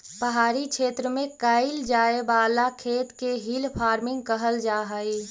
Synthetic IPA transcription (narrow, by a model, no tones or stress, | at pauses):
bəɦaːɾikʰʃʰeːt̪ɾəmẽkaːɪld͡ʒaːebaːlakʰeːt̪keɦilpʰaːɾmɪ̃ŋɡ̚kəɦəld͡ʒaːɦəi